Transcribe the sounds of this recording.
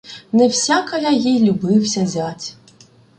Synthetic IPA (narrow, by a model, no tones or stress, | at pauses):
nɛwsʲakɐjajijlʲubɪwsʲɐzʲatʲ